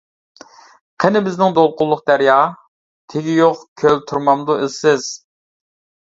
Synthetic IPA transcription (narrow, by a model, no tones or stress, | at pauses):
qʰenɪbɪznɪŋd̪olˠqʊlˠːʊq̚d̪æɾjɑ | t̪ʰeɡʲijoqkʲʰølt̪ʰuɾmɑmd̪uʔɪlsɪz̥